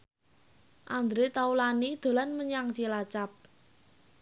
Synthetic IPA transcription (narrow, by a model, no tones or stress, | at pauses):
ʔand̪ɾet̪aulanid̪̥o̤lanməɲaŋt͡ʃilat͡ʃap̚